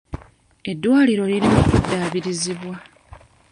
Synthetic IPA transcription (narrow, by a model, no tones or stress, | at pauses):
e̞dːwaːliɾo̞liɾinoːkudːaːβiɾiziβwa